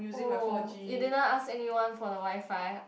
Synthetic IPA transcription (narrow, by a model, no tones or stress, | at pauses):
mjuzid͡ʒijudɪdnɔtasɛniwãnfɔdəwaɪfaj